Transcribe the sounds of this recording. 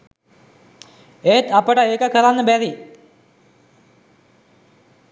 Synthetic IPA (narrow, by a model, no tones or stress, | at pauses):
eːt̪apəʈəeːkəkəɾanːəbæɾi